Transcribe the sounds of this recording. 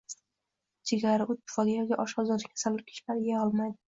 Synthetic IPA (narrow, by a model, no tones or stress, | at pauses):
t͡ʃʰeɡʲaɾɪʊt̪̚ːʰɪ̥fɒɡ̪ʲajɒɡʲaʔɒʃɒzɒd̪ɪkʰʲḁsalɪɾkʲʰɪ̥ʃlaɾɪɡʲaɒlˠmajd̪ɪ